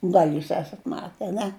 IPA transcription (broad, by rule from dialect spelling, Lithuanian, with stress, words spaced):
ˈɡɐlʲ ˈjuːs ˈæːsɐt ˈmɑːtʲɛ ɐˈnʲɛ